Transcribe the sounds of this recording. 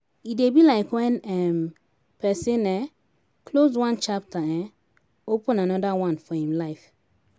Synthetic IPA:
idebilaɪkwɛ̃nɛm | pʰɛsẽnɛ | kʰlozwãnt͡ʃap̚taɛ̃ | opə̃nanɔdawãnfɔhĩmlaɪf

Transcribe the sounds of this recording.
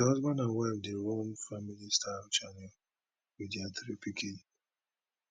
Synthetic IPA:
ɦɔzbɔnawɛvdeɾomfamilistʰaft͡ʃanɛl | widiatɾipikʰe

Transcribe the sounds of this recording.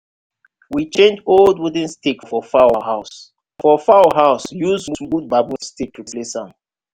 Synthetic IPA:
wit͡ʃẽnd͡ʒoldwud̃nstekfɔfawaɦaʊs | fɔfawəɦaʊsjuzmumud̚babũstek̚tʰuplesãn

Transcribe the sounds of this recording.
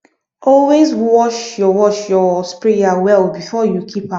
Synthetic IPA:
ɔlwezwɔʃjɔwɔʃjɔspɹeawɛlbifɔjukʰipã

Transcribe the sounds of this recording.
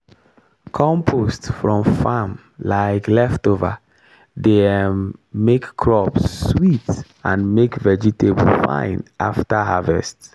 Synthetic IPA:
kʰɔ̃mpʰostfɹɔ̃mfãm | laɪklɛftovə̰ | demːekːʰɹɔpsːwit | ãnmekvɛd͡ʒiteb̰l̩fã̰ɪ̃nʔa̰ftəɦavɛ̰st

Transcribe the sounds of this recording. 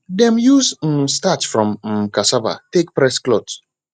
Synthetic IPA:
dɛ̃mjuzm̩statfɹɔ̃mm̩kasaba̰tek̚pɹɛsklot

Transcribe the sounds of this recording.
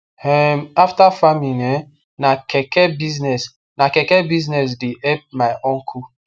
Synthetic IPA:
hɛmaftafaminɛ | nakʰɛkɛbiznɛs | nakɛkɛbiznɛs̬deɛp̚maɪʔɔ̃ŋkʰu

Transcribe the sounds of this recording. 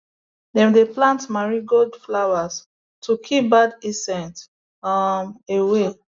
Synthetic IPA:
dɛ̃mdeplãntmaɹiɡɔdflawas | tʰukʰip̚badisɛ̃nt | mewe

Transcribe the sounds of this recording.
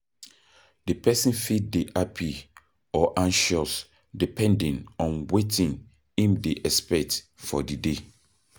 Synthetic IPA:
d̥epʰɛsĩnfit̚deʔapʰi | ɔʔãnʃɔs | dipʰɛ̃ndɛ̃nɔ̃nwetʰĩn | hĩmdeʔɛspɛt | fɔdide

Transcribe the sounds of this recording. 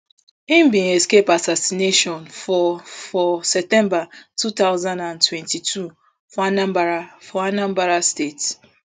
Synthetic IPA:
im̩bĩnɛskepasasineʃɔ̃nfɔfɔsɛp̚tɛ̃mbatutaʊzãndãntʰwɛ̃ntitʰu | fɔanãmbaafɔanãmbaɾastet

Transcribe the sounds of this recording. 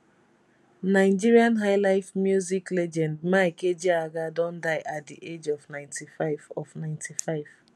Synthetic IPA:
naɪd͡ʒiɹiãnɦaɪlaɪfmjuziklɛd͡ʒɛ̃ndmaiked͡ʒiaɡadɔ̃ndaɪʔat̚diʔed͡ʒɔvnãɪ̃ntʰifaɪvɔvnãɪ̃ntʰifaɪv̥

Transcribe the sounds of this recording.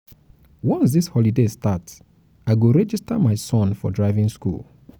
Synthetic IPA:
wɔ̃nsðishɔlidestats | aɪɡoɹɛd͡ʒistamaɪsɔ̃nfɔ̰dɹaɪvĩŋskṵlˠ

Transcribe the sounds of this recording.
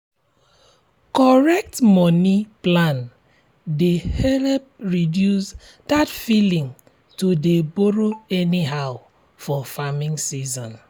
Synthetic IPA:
kɔɹɛk̚tmɔniplãn | dehɛlp̚ɹidjus | datfilĩŋ | tudeboɹoɛniɦaʊ | fɔfamĩŋsizɔ̃n

